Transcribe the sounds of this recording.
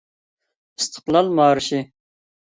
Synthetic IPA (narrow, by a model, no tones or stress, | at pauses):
ist̪ʰə̥qlˠɑlmɑːɾʃi